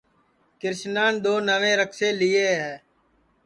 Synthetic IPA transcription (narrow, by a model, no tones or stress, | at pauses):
kɪɾʃnaːnd̪oːnəʋẽːɾəkseːlieːɦɛː